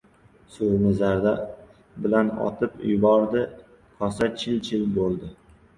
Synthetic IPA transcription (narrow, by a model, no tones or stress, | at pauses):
soɾnɪzaɾd̪a | bɪlanɒ̰t̪ʰɪpjʊbɒɾd̪ɪ | qʰɒsat͡ʃʰɪlt͡ʃʰɪlbolˠd̪ɪ